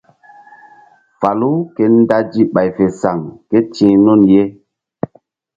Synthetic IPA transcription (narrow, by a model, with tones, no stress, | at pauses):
fa˨lu˦ke˦n˦da˦d͡ʒi˦ɓa˨jfe˨sa˨ŋke˦tĩ˦nu˦˨nje˦